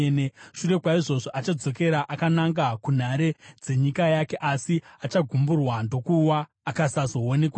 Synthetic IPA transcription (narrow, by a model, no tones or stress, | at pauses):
neʃure̞kwaiʐo̞ʐo̞ʔat͡ʃad͡zo̞ke̞ɾaʔakanaŋɡakun̤aɾe̞d͡ze̞ɲikajake̞ʔasiat͡ʃaɡʱumburwando̞kuwaː | kasazo̞one̞kwa